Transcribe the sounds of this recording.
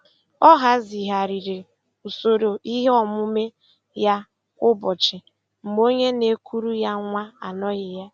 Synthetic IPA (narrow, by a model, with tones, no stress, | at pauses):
ɔ˦ɦa˦zi˨ɦa˨ɾi˨ɾe˨ | u˨so˨ɾo˨i˦ɦe˦ɔ˨mʊ˦me˦ | ja˦ | ʊ˦bɔ˨t͡ʃɪ˨ | m̩˨ɡ͡bo˦ɲe˦ne˦kʰu˦ɾu˦ja˦ŋʷa˦a˨nɔ˦ɣɪ˨ja˦